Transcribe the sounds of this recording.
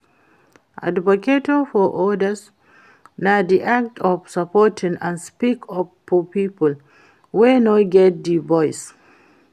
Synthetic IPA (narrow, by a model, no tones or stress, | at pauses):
ʔa̰dvɔketofɔʔɔdəs | nadiʔak̚tʰɔfsapɔtʰĩŋãnspikɔ | upipəl | wenoɡɛt̚divɔjs